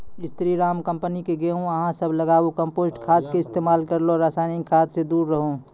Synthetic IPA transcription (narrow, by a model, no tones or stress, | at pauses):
ɪst̪ɾiɾaːmkə̃mpənikeɡeũəɦãsəbʱləɡaːukə̃mpoːsʈkʰaːd̪keɪst̪eːmaːlkəɾloɾasaːnɪkʰaːd̪sed̪uːɾːəɦõ